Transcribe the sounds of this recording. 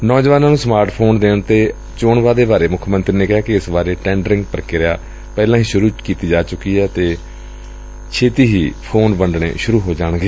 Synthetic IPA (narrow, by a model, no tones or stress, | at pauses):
nɔːd͡ʒʋaːnaːnũːsmaːɾʈpʰoːnd̪eːɳt̪eː | t͡ʃoːɳʋaːd̪eːbaːɾeːmʊkʰmənt̪ɾiːneːkɪɦaːkɪɪsbaːɾeːʈɛ̃ːɳɖɾɪ̃ŋɡpəɾkeːɾəjaː | pɛːlãːɦiːʃʊɾuːkiːt̪iːd͡ʒaːt͡ʃʊkiːɦɛːt̪eː | t͡ʃʰeːt̪iːɦiːpʰoːnbəɳɖɳḛːʃʊɾuːɦoːd͡ʒaːɳ̃ɡəeː